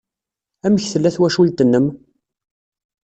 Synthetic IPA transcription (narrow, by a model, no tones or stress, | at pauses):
æməçθəlːæθwæʃult̪ənːəm